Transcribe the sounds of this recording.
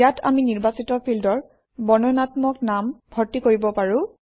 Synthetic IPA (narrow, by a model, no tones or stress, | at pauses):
atʰa̰miniɹbasitɔpʰildɔɹ | bɔnɔnatmɔknambʱɔɹtːikoɹibɔpaɹʊ̃